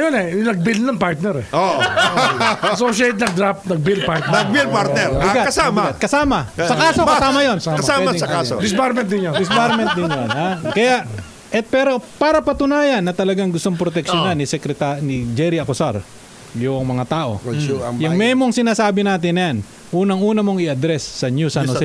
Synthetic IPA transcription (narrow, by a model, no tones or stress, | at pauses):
jonɛjʊnɐɡ̚bilnɐŋpaɾt̪nɛɾɛo | soʃet̪̚nɐɡ̚d̪ɾap̚nɐɡ̚bilpaɾt̪nɐɡbilpaɾnɛɾbɪɡatkɐsabmɪɡat̪̚kɐsaːmɐsɐkaːsokɐsaːmɐjonkɐaːwɛaaod̪ɪspaɾmɛnt̪̚d̪ɪnjod̪ɪspaɾmɛn̚d̪ɪnjonakɐjaʔ | ʔɛt̪̚pɛːɾo̞paːɾɐpɐt̪ʊnaːjɐnːɐt̪ɐlɐɡaŋɡʊst̪oŋpɾot̪ɛkʃonanːɪsɛkɾɛt̪anɪd͡ʒɛɾɪɐkʊsaɾ | jʊŋmɐŋat̪aːʔo̞̰jɐŋmɛːmoŋsɪnaːsaːbɪnaːt̪ɪnːɐjan | ʔuːnɐŋʔuːnɐmoŋɪɐd̪ɾɛsːɐnjusanos